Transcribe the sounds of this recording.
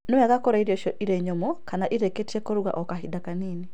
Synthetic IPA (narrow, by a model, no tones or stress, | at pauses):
nɛwaɣakɔɾaiɾiɔʃɔʔiɾɛɲɔmɔkanaʔiɾeketiɛkɔɾuɣa̰ʔɔkaɦidakaniːni